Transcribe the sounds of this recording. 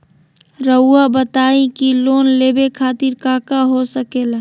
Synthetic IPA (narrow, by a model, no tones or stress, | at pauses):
ɾəʊabət̪aĩkilonlebekʰaːt̪iɾkaːkaɦosəkel